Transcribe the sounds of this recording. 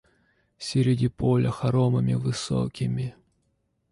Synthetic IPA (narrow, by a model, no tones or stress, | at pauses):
sʲɪɾʲɪdʲipolʲəxɐɾoməmʲɪvɨso̰kʲɪmʲɪ